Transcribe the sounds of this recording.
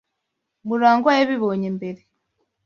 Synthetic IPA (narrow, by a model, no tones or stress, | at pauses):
muɾaːŋɡwajeβiβoɲembeɾe